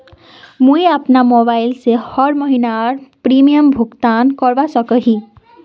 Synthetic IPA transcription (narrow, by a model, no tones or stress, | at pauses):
mujapnamobajlsehʌɾmʌɦinaɔɾpɾimijəmbʱuɡt̪ankɔɾbasʌkəɦĩ